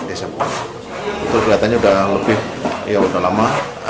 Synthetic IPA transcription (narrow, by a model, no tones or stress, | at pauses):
desəmba | ut̪ʊrɡɾat̪aɲaudaləbɪhjaŋudahlama